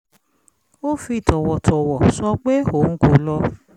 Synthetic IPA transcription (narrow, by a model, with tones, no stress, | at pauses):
o˦fi˧˦i˦˨tʰɔ˨wɔ˨tʰɔ˨wɔ˨sɔ˧k͡pe˦o˨˦ŋ̩˦ko˨˦lɔ˧